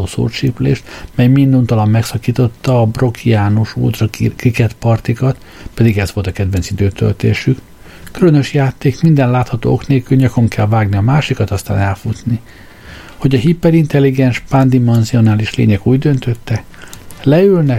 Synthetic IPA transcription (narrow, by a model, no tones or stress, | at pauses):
oːso̰ːrt͡ʃiplḛːʃt̪mɛjmind̪unt̪ɒlɒmːɛksɒkiːt̪o̞t̪ːɒːbro̞kʰiaːnuʃo̰ːt̪rɒkikɛt̪pɒrt̪ikɒt̪ | pɛd̪iɡɛzʋo̞lt̪ɒkɛd̪vɛntsid̪øːt̪ø̰lt̪ḛːʃyk | kylønø̞ʃjaːt̪ːeːkmind̪ɛnlaːt̪hɒt̪o̰ːokneːlkylɲɒko̞ŋkʰɛlvaːɡniɒmaːʃikɒt̪ɒst̪a̰ːnɛlfut̪ni | ho̞ɟɒɦipːɛɾint̪ɛlːiɡɛnʃpand̪imɛnzio̞naːliʃlḛːɲɛkuːɟd̪ø̞nt̪ø̞t̪ːɛ | lɛylnɛ